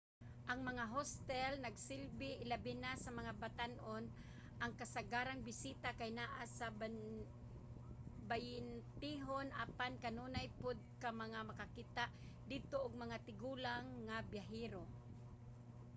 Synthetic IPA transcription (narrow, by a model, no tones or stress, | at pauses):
ʔɐŋmɐŋaɦost̪ɛlnɐɡsɪlbɪʔɪlabɪnasɐmɐŋabat̪anʔon | ʔɐŋkasaɡaːɾaŋbɪsiːt̪akajnaʔasab | bajɪnt̪iɦonʔaːpankanuːnajpod̪̚kamɐŋamɐkakit̪aʔ | d̪id̪̚t̪oʔʊɡ̚mɐŋat̪ɪɡuːlaŋːabjaɦiːɾo